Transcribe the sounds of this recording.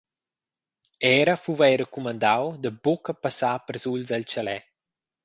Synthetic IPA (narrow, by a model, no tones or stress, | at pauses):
ɛːɾəfuvajɾəkumand̪awd̪əbokəpasaːpərzulzalt͡ʃalɛ